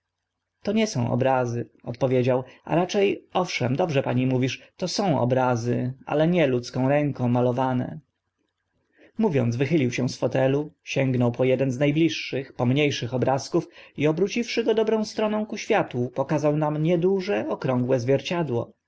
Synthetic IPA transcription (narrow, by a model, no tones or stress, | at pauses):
t̪ɔɲɛsɔ̃w̃ʔɔ̰bɾazɘɔt̪̚pɔvʲjed͡ʑawa̰ɾat͡ʂɛjɔfʂɛmd̪ɔbʐɛpaɲimuvʲiʂt̪ɔsɔ̃w̃ɔ̰bɾazɘa̰lɛɲɛlut̪skɔ̃w̃ɾɛŋkɔ̃w̃malɔvanɛ̰ | muvʲjɔ̰nzvɘxɘlʲiwɕɛ̃sfɔt̪ɛluɕɛŋɡnɔwpɔjɛd̪ɛnznajblʲiʂːɘxpɔmɲejʂɘxɔbɾaskufiɔbɾut͡ɕifʂɘɡɔd̪ɔbɾɔ̃w̃st̪ɾɔnɔ̃w̃kuɕfʲjat̪upɔkazawnamɲɛd̪uʐɛɔkɾɔ̃ŋɡwɛzvʲjɛɾt͡ɕad̪wɔ̰